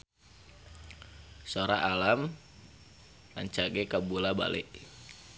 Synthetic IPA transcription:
soɾaʔalam | la̰ɲt͡ʃaɡɛkabulaba̰lɛ̰ʔ

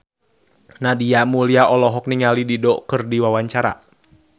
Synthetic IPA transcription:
nadiamuliaʔɔlɔɦɔk̚niŋalididɔkɨrdiwawaɲt͡ʃaɾa̰

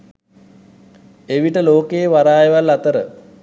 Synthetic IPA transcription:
eʋiʈəloːkejːʋaɾaːjeʋalːat̪əɾə

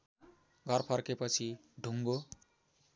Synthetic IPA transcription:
ɡʱʌrpʰʌrkepʌt͡sʰi | ɖʱuŋɡo

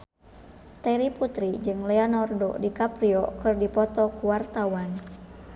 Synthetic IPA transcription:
t̪ɛɾiput̪ɾid͡ʒɨŋlɛɔnɔrdɔ̰dikapɾiɔkɨrdipɔt̪ɔkuwart̪awan

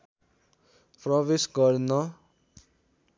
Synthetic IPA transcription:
prʌβesɡʌrnʌ

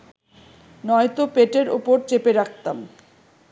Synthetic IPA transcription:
nɔjt̪opeʈeɾṵpoɾt͡ɕepeɾak̚ʰt̪am

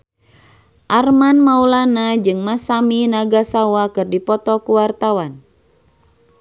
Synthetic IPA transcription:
ʔarmanmaulanad͡ʒɨŋmasaminaɡasawakɨrdipɔt̪ɔkuwart̪awan

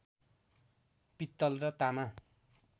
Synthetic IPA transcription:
pit̪ːʌlrʌt̪ama

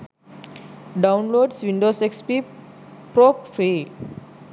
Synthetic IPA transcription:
ɖawnloːɖsʋĩɳɖosekspi | pɾop̚fʰɾi

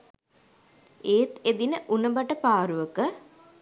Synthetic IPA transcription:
eːt̪ed̪inəʔunəbaʈəpaːɾuʋəkə

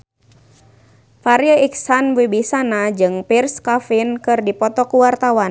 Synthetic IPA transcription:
faɾiəiksanwibisanad͡ʒɨŋpirskafinkɨrdipɔt̪ɔkuwart̪awan

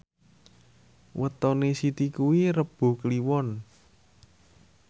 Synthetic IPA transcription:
wʔət̪ɔnesit̪ikuwiɾəb̥o̤kliwɔn

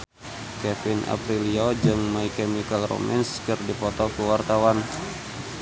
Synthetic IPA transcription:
kɛfɪna̰pɾiliod͡ʒɨŋmaikɛmikalro̰mɛ̰nskɨrdipɔt̪ɔkuwart̪awan

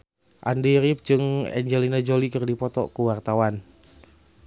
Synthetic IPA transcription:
ʔandiɾip̚d͡ʒɨŋɛ̰ɲd͡ʒɛlinad͡ʒolikɨrdipɔt̪ɔ̰kuwart̪awan

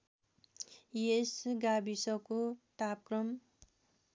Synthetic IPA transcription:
jesɡabisʌkot̪ap̚krʌm

